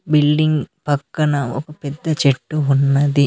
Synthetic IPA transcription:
bilɖiŋɡpɐkːɐnɐo̰kɐpɛd̪ːɐt͡ʃeʈːuɦunːɐd̪i

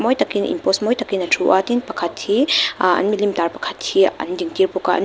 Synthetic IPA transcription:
mɔjt̪akinʔḭmpɔsmɔjt̪akinɐtʰuʔat̪inpɐkʰatʰːiɐ̰nmilimtaɾpɐ̥kʰatʰːiɐ̰ndiŋtiɾpukaʔɐ̰n

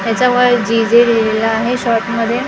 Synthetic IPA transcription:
t̪jat͡ɕaʋəɭd͡ʑid͡zelilelaːɦeɕɔʈməd̪ʱːje

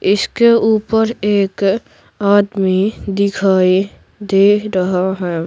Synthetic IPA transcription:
ɪskeuːpəɾeːk | aːd̪mid̪ɪkʰaːi | d̪eːɾəɦaɦɛː

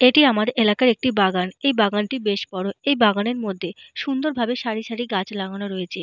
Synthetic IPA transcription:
eʈiamad̪ʔelakaɾek̚ʈibaɡanejbaɡanʈibeʃbɔɽoejbaɡaneɾmod̪ʱːeʃund̪oɾbʱabeʃaɾiʃaɾiɡat͡ɕlaɡonaɾoet͡ɕʰe

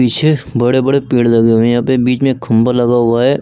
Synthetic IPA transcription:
iːt͡ʃʰebəɽebəɽepiːɽləɡeɦʊ̃ẽjɦãːpebiːt͡ʃmẽkʰə̃mbalɐɡaɦʊaɦɛː

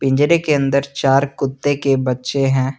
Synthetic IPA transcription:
pɪ̃ɲd͡ʒɾekeɐ̃nd̪əɾt͡ʃaːɾkʊt̪ːekebɐtːʃeɦɛ̃ː

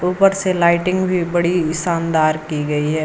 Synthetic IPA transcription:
uːpəɾselaːɪʈɪ̃ŋɡbʱibɐɽiɪsaːnd̪aːɾkiɡɐiɦɛː

